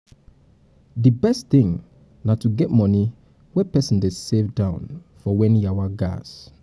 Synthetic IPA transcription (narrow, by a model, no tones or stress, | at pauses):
dɨbɛstθɪ̃ŋ | natuɡɛtmɔni | wɛpɛsɔ̃n̩desevdãʊ̃nfɔwɛ̃niawaɡa̰s